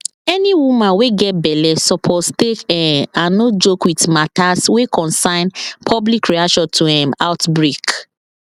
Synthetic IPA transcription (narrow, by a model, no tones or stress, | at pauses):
ɛniwumãnweɡɛt̚bɛlɛssɔpʰostekɛ̃ãnnod͡ʒokwitmataswekʰɔ̃nsãɪ̃npʰɔblikɹiaʃɔ̃ntʰuhɛ̃maʊtbɹek